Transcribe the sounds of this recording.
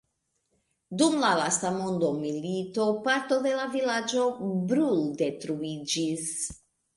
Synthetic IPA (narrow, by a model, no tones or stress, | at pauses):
dumlalastamo̞ndo̞milito̞paɾto̞d̪e̞lavilad͡ʒo̞bɾulde̞tɾuid͡ʒis